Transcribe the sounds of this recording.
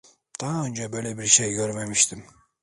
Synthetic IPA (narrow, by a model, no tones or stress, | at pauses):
t̪ʰɑːønt͡ʃʰabøjlebɪɾʃejɡøɾmamiʃt̪ʰɪm